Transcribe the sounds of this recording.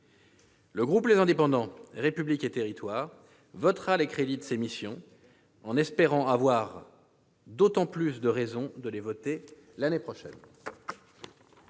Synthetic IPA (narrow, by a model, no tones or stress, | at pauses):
ləɡʁuplezɛ̃d̪epɑ̃d̪ɑ̃ʁepybliket̪eʁit̪waːʁ | vɔt̪χalekχed̪id̪əsemisjɔ̃ | ɑ̃nɛspeʁɑ̃avwaʁ | d̪ot̪ɑ̃plysd̪əʁɛzɔ̃d̪əlevɔt̪e | lanepχɔʃɛ̰n